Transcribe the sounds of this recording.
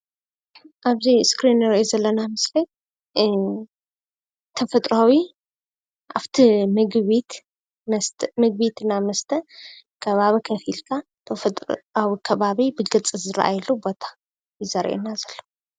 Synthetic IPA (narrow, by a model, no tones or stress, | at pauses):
ʔaβziskɾinːɨɾɐʔezɐlːɐnamɨsli | t̪ʰɐfɐt̪ʼɾawi | ʔaβt̪ʰimɨɡβit̪ | nɐst̪ʰmɨɡ̚bit̪ʰɨnːamɐst̪ʰɐ | kʰɐβaβikʰɐfilkʰa | t̪ʰɐfɐt̪ʼawikʰɐβaβibɨɡɨt͡sʼɨzɨɾʔa̰jlubo̞t̪ʰḁ | jɪzɐɾʔḛnazɐlːɐ